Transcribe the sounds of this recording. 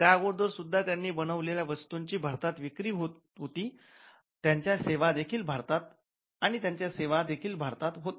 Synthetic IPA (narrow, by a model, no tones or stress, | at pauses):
t̪jaəɡoɽd̪ʋəɾsud̪ʱːat̪janːiːbənəʋleljaʋəst̪uɲt͡ɕiːbʱaɾt̪at̪ʋikɾiːɦot̪ | ɦot̪iː | t̪jaɲt͡ɕjaseʋad̪ekʰiːlbʱaɾt̪at̪ | aɽ̃it̪jaɲt͡ɕjaseʋad̪ekʰiːlbʱaɾt̪at̪ɦot̪